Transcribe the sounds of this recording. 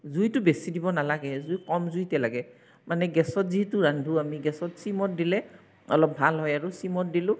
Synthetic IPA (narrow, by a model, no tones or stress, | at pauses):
zujtʊbesidibɔnalaɡɛzujkɔmzujtɛlaɡɛ | manɛɡɛsɔtziɦɛtʊɹandʱuamiɡɛsɔtsimɔt̚dilɛ | ɔlɔp̚bʱalɦɔjaɹusimɔt̚dilʊ̃